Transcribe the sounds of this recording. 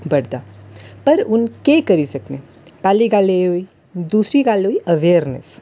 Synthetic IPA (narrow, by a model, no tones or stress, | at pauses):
bəɽd̪apəɾʊnkekəɾisəkne | paːliɡaleɦoːi | d̪uːsɾiɡaːlɦoːiʔəʋeəɾnḛs